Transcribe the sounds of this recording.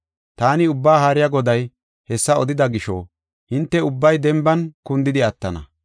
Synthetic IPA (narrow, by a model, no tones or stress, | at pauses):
t̪aːnɪʊbːaːɦaɾɪjɐɡɔd̪ɐj | hɛsːɐɔd̪ɪd̪ɐɡɪʃo̰ | hɪnt̪ːɛʊbːɐjd̪ɛmbɐnkʊnd̪ɪd̪ɪɐt̪ːɐnɐ̰